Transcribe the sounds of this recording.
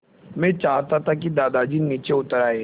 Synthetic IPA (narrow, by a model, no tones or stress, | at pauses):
mɛ̃t͡ʃaːɦt̪at̪ʰakid̪aːd̪ad͡ʒiniːt͡ʃeʊt̪əɾaːe